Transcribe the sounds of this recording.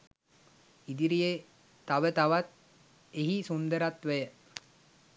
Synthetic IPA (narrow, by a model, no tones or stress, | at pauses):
id̪iɾije | t̪aʋət̪aʋat̪̚ | eɦisund̪əɾat̪ʋəjə